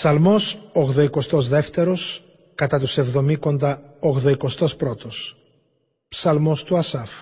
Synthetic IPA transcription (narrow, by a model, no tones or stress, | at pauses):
psɐlmo̞soɣðoiko̞st̪o̞zðe̞ft̪e̞ɾo̞s | kɐt̪ɐt̪use̞vðo̞miko̞nd̪ɐoɣðoiko̞st̪o̞spɾot̪os | psɐlmo̞st̪uɐsɐf